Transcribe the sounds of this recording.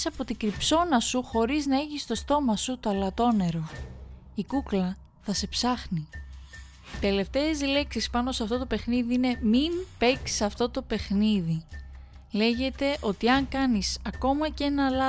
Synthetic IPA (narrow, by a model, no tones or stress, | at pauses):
sɐpo̞t̪iɡɾipso̞nɐsuxo̞ɾiznɐe̞çist̪o̞st̪o̞mɐsut̪oɐlɐt̪o̞ne̞ɾo̞ | ikuklɐ | θɐse̞psɐxni | it̪e̞le̞ft̪e̞ːzle̞ksispɐno̞sɐft̪o̞t̪̬o̞pe̞xniðiine̞minpe̞ksi̥sɐft̪o̞t̪o̞pe̞xniði | le̞ʝe̞t̪e̞ʔo̞t̪iɐŋkɐnisɐko̞mɐce̞nɐlɐ